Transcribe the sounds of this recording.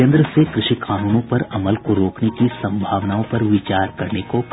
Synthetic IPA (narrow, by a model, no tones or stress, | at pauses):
ẽnd̪ɾəsekɾɪʃikʰaːnuːnõpɐɾɐməlkoɾoːknekisɐ̃mbʱaːʋnaːõpɐɾʋɪt͡ʃaːɾkɐɾnekok